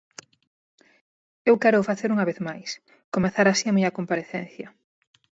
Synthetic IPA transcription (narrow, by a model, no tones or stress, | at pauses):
ewkɛɾʊːfaθeɾuŋɐβeθmajs | komeθaɾasiɐmiɲɐkompaɾeθɛn̟θjɐ